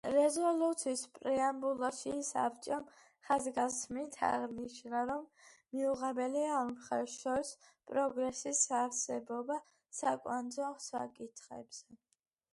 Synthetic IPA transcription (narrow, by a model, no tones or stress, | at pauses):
ɾɛzɔlut̪sʰiːspʼɾɛambulˠaʃisa̰p̚ʰt͡ʃʼɔm | χazɡasmint̪ʰa̰ʁniʃnaɾɔmː | iuʁɛbɛliamχɛʃɔɾis | pʼɾɔɡɾɛsisaɾsɛbɔba | sakʼwand̪zɔχsakʼit̪ʰχɛ̰bz̥ɛ